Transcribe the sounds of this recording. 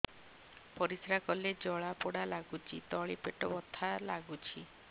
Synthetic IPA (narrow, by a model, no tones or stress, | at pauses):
pɔɾisɾakɔled͡ʒɔɭapɔɽalaɡut͡ʃʰit̪ɔɭipeʈɔbɔt̪ʰːalaɡut͡ʃʰi